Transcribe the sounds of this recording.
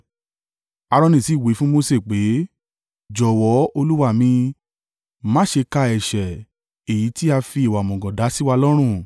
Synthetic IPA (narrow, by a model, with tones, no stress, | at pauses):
a˧ɾɔ̃˧nĩ˨si˨˦˨we˨˦fũ˦mo˧se˦˨k͡pe˨˦ | d͡ʒɔ˨wɔ˨˦o˧lu˦wa˦˨mĩ˧ | mã˦ʃe˧ka˧ɛ˨ʃɛ˨ | e˨ji˨˦ti˦a˧fi˧i˨wa˨mɔ̃˨ɡɔ̃˨da˨˦si˦wa˧lɔ˦ɾ̃ũ˦˨